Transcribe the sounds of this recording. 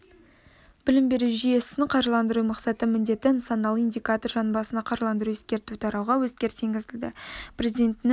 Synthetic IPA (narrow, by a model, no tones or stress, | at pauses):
b̥ɪlɪmbe̞ɾuʒije̞sɪnqʰɑɾʒlˠɑnd̪əɾumɑqsɑt̪əmɪnd̪e̞t̪ɪnt̪sonɑlˠind̪ʲijkat̪o̞rʒɑnbɑsənɑqʰɑɾʒlˠɑnd̪əɾuwe̞skʲe̞ɾt̪ut̪ʰɑɾɑwʁɑwɵskʲe̞ɾt̪ʰeŋɡʲɪzɪld̪ɪ̰prʲe̞zid̪e̞nt̪ɪnɪ